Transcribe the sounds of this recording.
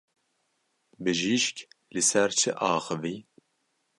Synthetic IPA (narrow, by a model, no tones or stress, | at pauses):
bɨʒiːʃklɨsɛɾt͡ʃʰɨʔɑːxɨvi